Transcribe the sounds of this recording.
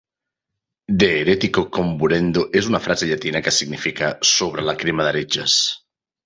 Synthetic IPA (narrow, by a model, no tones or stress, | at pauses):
d̪eːɾet̪ikokombuɾend̪oʔesunafɾazeʎat̪inakesiɡnifikasoβ̞ɾelakɾimaðaɾed͡ʒas